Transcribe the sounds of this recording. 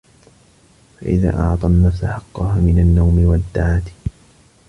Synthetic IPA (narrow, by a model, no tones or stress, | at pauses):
fa̰ʔɪ̰ða̰ːʔɑʕt̪ˤɑnːafsaħɑqːɑhaːmɪnanːawmɪwad̪ːaʕaːt̪